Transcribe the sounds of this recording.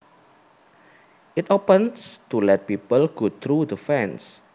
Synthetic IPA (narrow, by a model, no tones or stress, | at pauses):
ʔitopə̃nstulɛt̪̚pipəlɡ̥ot̪ʰɾud̪əfɛ̃ns